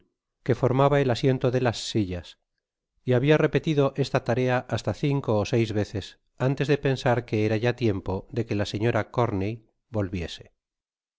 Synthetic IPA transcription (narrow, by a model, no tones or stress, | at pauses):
ke̞fo̞ɾmaβae̞lasje̞nt̪o̞ðe̞lasːiʎas | iaβiare̞pe̞t̪iðo̞ʔe̞st̪at̪aɾe̞aʔast̪aθiŋko̞ːse̞jzβe̞θe̞s | ant̪e̞zðe̞pe̞nsaɾke̞eɾaʝat̪je̞mpo̞ðe̞kelaseɲo̞ɾako̞ɾnej | bo̞lβje̞se̞̥